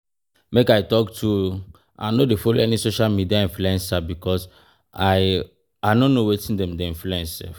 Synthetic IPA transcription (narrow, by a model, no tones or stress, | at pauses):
mekajtɔktʰu | ʔa̰nodefoloɛnisoʃalmidiaĩnfluɛ̃nsabikʰɔs | aɪ | aɪnõnːowetĩndɛ̃mdeĩnfluɛ̃nsa̰